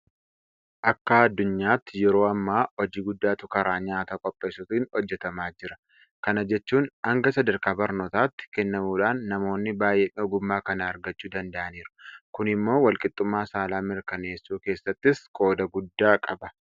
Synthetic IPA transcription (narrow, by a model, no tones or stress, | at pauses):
ʔɐkːɐɐd̪ːʊɲːaːt̪ːɪjɛɾo̞ːɐmːaːɔd͡ʒiːɡʊd̪ːaːt̪ʊkɐɾaːɲaːt̪ɐkʼɔpʼːe̞ːsʊt̪ːnhɔd͡ʒːɛt̪ɐmaːd͡ʒɪɾɐ | kɐnɐd͡ʒɛt͡ʃːuːnɐŋɡɐsɐd̪ɐɾkaːbɐɾnoːt̪aːt̪ːɪ̥kɛnːɐmuːᶑaːnːɐmo̞ːnːɪbaːjɛʔɔɡʊmːaːkɐnɐːɾɡɐt͡ʃːuːd̪ɐnd̪ɐʔɐniːɾʊ̥kʊnɪmːo̞ːwɐlkʼɪt̪ʼːʊmːaːsaːlaːmɪɾkɐne̞ːsːuːke̞ːsːɐt̪ːɪskʼo̞ːd̪ɐɡʊd̪ːaːkʼɐbɐ̥